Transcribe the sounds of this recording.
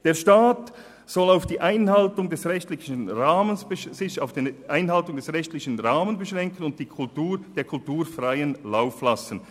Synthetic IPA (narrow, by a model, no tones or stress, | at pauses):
d̥eːɐʃtaːt | sɔlaʊfd̥iːʔaɪnhaltʊŋdɛsʁɛçtlɪçənʁaːmənssɪçaʊfd̥iʔaɪnɦaltʊŋdɛsʁɛçtlɪçənʁaːmənbəʃʁɛŋkənʊnt̚d̥iːkʰʊltuːd̥eːɐkʰʊltuːɐfʁaɪənlaʊflasən̩